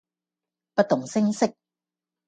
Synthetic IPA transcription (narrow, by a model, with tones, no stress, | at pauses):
pa˧t̪o˨˦ŋsi˥ŋse˧˩k̚